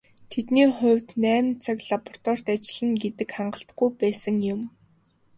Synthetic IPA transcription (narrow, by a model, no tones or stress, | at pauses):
t̪ʰet̪niːχʊ̟wʲt̪næːmnt͡sʰakɮapɔr̥t̪ɔːr̥t̪at͡ɕɪ̆ɮə̆ŋɡet̪ɘ̆kχaɴɢə̆ɬt̪ɡujpæːsə̆ŋjʊm